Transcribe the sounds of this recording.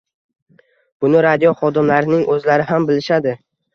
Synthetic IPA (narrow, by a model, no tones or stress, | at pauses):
b̥ʊnɪɾad̪jɒχɒd̪ɪmlaɾɪnɪŋʔɵzlaɾɪɦambɪlɪʃad̪ɪ